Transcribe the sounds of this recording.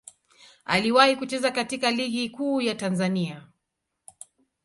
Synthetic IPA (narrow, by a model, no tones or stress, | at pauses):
a̰liwahikut͡ʃɛzakatikaliɠikuːjatanzania